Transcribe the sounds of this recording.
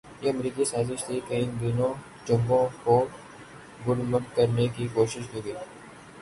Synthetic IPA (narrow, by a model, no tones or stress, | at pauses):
jeɐmɾiːkisaːzɪʃt̪ikɐiːnd̪iːnõ | t͡ʃʊ̃mbõkoː | ɡʊlmənkɐɾnekikoːʃɪʃdoːɡiː